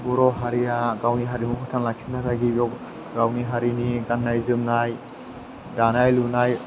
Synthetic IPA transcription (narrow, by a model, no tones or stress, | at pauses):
buɾɔɦaɾijaɡawniɦaɾimukʰutʰanlak̚sʰinːatʰaɡiɡɔ | ɡawniɦaɾiniɡanːajzɯmnaj | danajlunaj